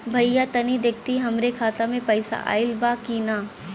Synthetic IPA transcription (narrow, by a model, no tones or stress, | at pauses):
bʱɐjjat̪ɐnid̪ek̚ʰt̪iɦɐmɾekʰaːt̪amẽpɐɪsa̰ʔa̰ːɪlbaːkiːnaː